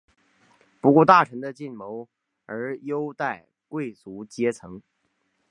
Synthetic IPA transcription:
pu˧˥kwɔ˥˧t̪a˥˩ʈ͡ʂʰɤ˧˥ŋd̪ə˧t͡ɕi˥˩nmo˧˥ʊ | ə˞˧˥jo˥ʊt̪a˥˩ɪ | kwe˥˩ɪt͡su˧˥t͡ɕjɛ˥t͡sʰɤ˧˥ŋ

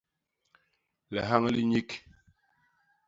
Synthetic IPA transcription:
lɛ˨ɦa˦ŋ˦li˦ɲi˦k

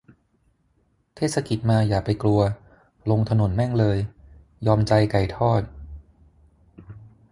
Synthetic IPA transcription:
t̪ʰeː˥˩sa˧ki˨˩t̪̚maː˧jaː˨˩k̚pa˧jklu˧ɐ | lo˧ŋt̪ʰa˧no˩˦nmɛ˥˩ŋlɤː˧j | jɔː˧mt͡ɕa˧jka˨˩jt̪ʰɔː˥˩t̪̚

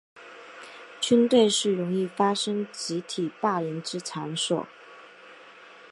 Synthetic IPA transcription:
t͡ɕʰy˥nt̪we˥˧ɪʂɻ̩˥˩ɻʊ˧˥ŋi˥˩fa˥ʂɤ˥ŋt͡ɕi˧˥t̪ʰi˨˩pa˥˩jɛ˧˥nʈ͡ʂɻ̩˥t͡sʰa˧˥nswɔ̰˨˩˦

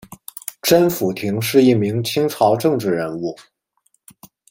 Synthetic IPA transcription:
ʈ͡ʂə˥nfu˨˩t̪ʰi˧˥ŋʂɻ̩˥˧i˥˩mi˧˥ŋt͡ɕʰi˥ŋʈ͡ʂʰɑ˧˥ʊʈ͡ʂɤ˥˧ŋʈ͡ʂɻ̩˥˩ɻə˧˥nu˥˩

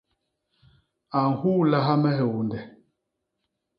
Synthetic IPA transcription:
a˨ŋ̩˨huː˦la˦ɦa˦mɛ˦ɦɛ˨wu˨ndɛ˨

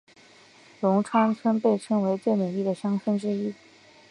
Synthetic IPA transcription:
lʊ˧˥ŋʈ͡ʂʰwa˥nt͡sʰwə˥npe˥˩ɪʈ͡ʂʰɤ˥ŋwe˧˥ɪt͡swe˥˩ɪnu˨˩li˥˩d̪ə˩ɕjɑ˥ŋt͡sʰwə˥˩nʈ͡ʂɻ̩˥i˥

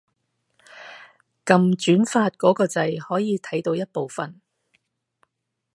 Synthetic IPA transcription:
kɐ˨mt͡ʃyː˨˥nfaː˧t̚kɔː˨˥kɔː˧t͡sɐ˧jhɔː˨˥jiː˨˧t̪ʰɐ˨˥jt̪o˧wjɐ˥t̚po˨wfɐ˨n

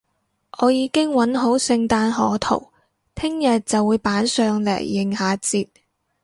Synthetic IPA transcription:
ʔɔː˨˧jiː˨˧kɪ˥ŋwɐ˨˥nɦo˨˥wsɪ˧ŋt̪aː˧nɦɔː˨˥t̪ʰo̰˨˩w | t̪ʰɪ˥ŋjɐ˨t̚t͡sɐ˨wuː˨˧jpaː˨˥nsœː˨ŋlɛ̰ː˨˩jːɪ˨ŋhaː˨˧t͡siː˧t̚

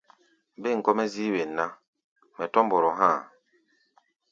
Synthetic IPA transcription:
be˦˨ŋ̩˨kɔ˦mɛ˦ziː˦we˨nːa˦ | mɛ˨tɔ˦mbɔ˨ɾɔ˨ɦã˦˨

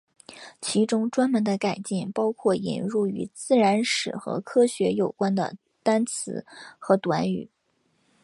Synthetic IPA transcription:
t͡ɕʰi˧˥ʈ͡ʂʊ˥ŋʈ͡ʂwa˥nmə˧˥nd̪ə˧ka˨˩ɪt͡ɕi˥˩ŋpɑ˥ʊkʰwɔ˥˩ḭ˨˩nɻu˥˩y̰˧˥t͡sɹ̩˥˩ɻa˧˥nʂɻ̩˨˩xɤ̰˧˥kʰɤ˥ɕɥɛ˧˥jo˨˩ʊkwa˥nd̪ə̰˨ | t̪a˥nt͡sʰɹ̩˧˥xɤ˧˥t̪wa˧˥ny̰˨˩˦

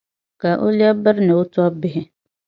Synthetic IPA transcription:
ka˨ʔo̰˦li˦a˦bə˦ɾnɪ˨ʊ˦tɔ˦ɔ˦bɪ˦ɦɪ˦

